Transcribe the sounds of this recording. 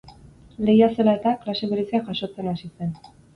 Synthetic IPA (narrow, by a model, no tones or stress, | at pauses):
le̞jase̞lae̞t̪aklase̞βeɾesiaʝaʃo̞t͡se̞nasise̞n